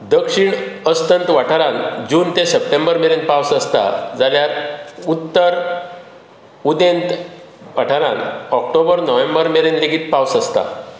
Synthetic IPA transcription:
d̪əkʂiɳəst̪ənt̪ʋaʈʰaɾãnd͡ʑuːnt̪ẽsəp̚ʈembəɾmeɾẽnpawsəst̪a̰d͡zaljatut̪ːəɾ | ud̪ent̪ | ʋaʈʰaɾãnɔk̚ʈobəɾnɔʋẽmbəɾmeɾenleɡiːt̪pawsəst̪a̰

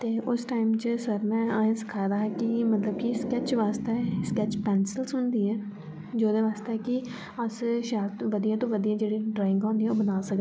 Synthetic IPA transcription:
t̪eːʔʊsʈaːɪmt͡ʃəsəɾmɛ̃ːaːãːsɪ̥kʰaːd̪aːɦɛkɪmət̪ləb̚kiskɛːt͡ʃʋaːst̪eːskɛːt͡ʃpɛːnsəlsʊnd̪iːɛː | d͡ʒoːd̪eːʋaːst̪ekɪ | əsʃaːɾt̪ʋəd̪ijãːt̪õːʋəd̪ijãːd͡ʒeːɽiːɖɾaːɪ̃ŋɡõːnd̪iːɛːoːbənaːsəkd̪

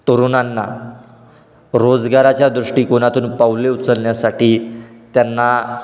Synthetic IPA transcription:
t̪oɾonanːa̰ | ɾod͡zɡaɾat͡ɕjad̪ɾuʂʈiːkoñat̪uːnpaʋleut͡səlɳjasaʈiːt̪janːa

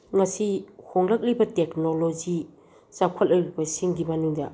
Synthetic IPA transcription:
ŋɐsihoŋlɐk̚libɐteknolod͡ʒi | sakʰɐlɐɾibɐsiŋɡimanuŋdɐ

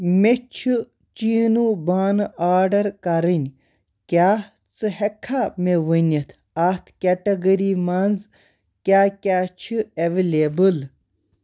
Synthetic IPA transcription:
met͡ʃʰɨ | t͡ʃiːnubaːnaːɾɖɐɾkɐɾɨnʲ | kʲaː | t͡sɨhekʰːameʋənʲɐt̪ʰ | at̪ʰkʲeʈɐɡɐɾimanz | kʲaːkʲaːt͡ʃʰɨeʋelebɨl

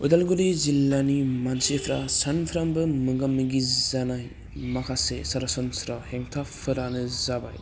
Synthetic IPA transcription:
ojdalɡolizilːanimansepʰɾasanpʰɾambɯmɯɡamːiɡizanaj | makʰasesaɾasɔnsɾaheŋtʰapʰɯɾanɯzaba̰j

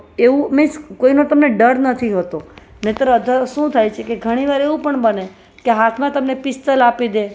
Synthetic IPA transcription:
eʋũmɪskoinot̪əmneɖəɾnət̪ʰiɦət̪õ | met̪ɾəəd̪ʱəʃũt̪ʰajt͡ʃʰekeɡʱəɽ̃iʋaɾeʋũpəɳbəne | keɦat̪ʰmãt̪əmnepɪst̪əlapid̪e

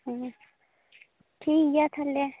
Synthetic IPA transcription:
ʈʰiːkjat̪ʰɐle

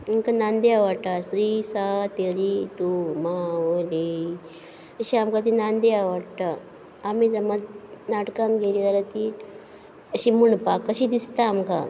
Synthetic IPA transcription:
iŋkanand̪eaʋaʈ̪asɾisat̪eɾit̪umaʋole | əɕiamkat̪̬inand̪iaʋaɽt̪aː | mid͡zəmat̪naʈkãnɡʱelid͡zalat̪i | əɕimuɳpakːəɕiːd̪ist̪aːmka

